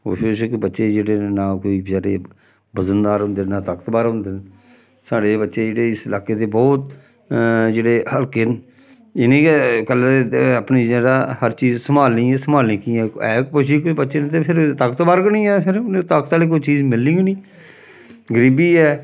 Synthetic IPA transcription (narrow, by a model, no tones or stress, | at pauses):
o̰ːpʰɪʃkbətːʃeːd͡ʒeːɽeːnaːkoːiːzaːɾḛː | bəzənd̪aːɾɦʊ̃nd̪enaːt̪aːkət̪baːɾɦʊ̃nd̪en | saːɽeːbətːʃeːd͡ʒeːɽeːɪsɪlaːkeːt̪eːbɔːt̪̚ | d͡ʒeːɽeːhəlkeːn | ɪnĩːkəlːaːt̪eəpniːd͡ʒɛːɾaːhəɾt͡ʃiːzsəmaːlnĩːɛːsəmaːlnĩːkiːɛːɛːkpʊʃiːkbətːʃeːnt̪eːpʰɪɾt̪akət̪baːɾkəɳ̃ĩːɛːpʰɪɾnt̪akt̪aːleːk̬oit͡ʃiːzmɪlːɪ̃ːɡnĩː | ɡəɾiːbiːɛː